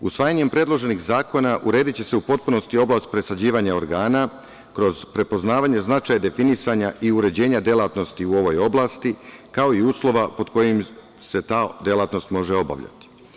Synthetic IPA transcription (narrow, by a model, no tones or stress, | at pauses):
ṵsʋaːjaɲe̞mpɾe̞d̪lˠo̞ʒe̞niɣzaːko̞naʔuɾe̞ːd̪it͡ɕe̞se̞upo̞t̪̚puno̞st̪io̞blast̪̚pɾe̞sad͡ʑiːʋaɲao̞ɾɡaːna | kɾo̞zpɾe̞po̞znaːʋaɲe̞znat͡ʃajad̪e̞finisaɲaʔiuɾe̞d͡ʑe̞ːɲad̪je̞lˠat̪no̞st̪iuo̞ʋo̞jo̞blˠaːst̪ikao̞iuːslˠo̞ʋapo̞d̪ko̞jim | se̞t̪aːd̪jelˠat̪no̞st̪mo̞ʒeo̞ba̰ʋʎa̰t̪i̥